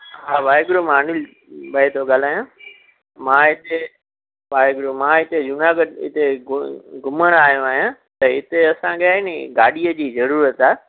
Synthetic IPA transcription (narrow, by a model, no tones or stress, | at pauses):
ɦaːʋaːɪɡɾomãːnɪl | ɓɐet̪ʰoɠaːl̤aːjãː | mãːɪt̪e | ʋaːɪɡɾomãːɪt̪ed͡ʑʊnaɡəɖɪ̰t̪e | ɡʊməɽ̃aːɦjõaːɦijãt̪ɐɪt̪eɐsãɠjaːiniɡaːɗijəd͡ʑiːzɐɾuːɾət̪aːe